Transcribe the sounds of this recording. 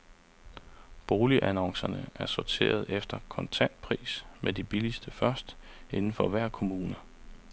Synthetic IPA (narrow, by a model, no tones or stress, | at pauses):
b̥o̝ːliʔænɒ̽ŋsɐnəʔæɐsɒt͡sʰe̝̰ːɐð̞̩ˠefd̥ɐkʰɒ̽nt͡sʰæn̰d̥̚pʰʁḭːsmʔed̥ib̥ilisd̥əfɶɐsd̥ | e̝nn̩fɒ̽ʋæɐ̰kʰo̝muːnə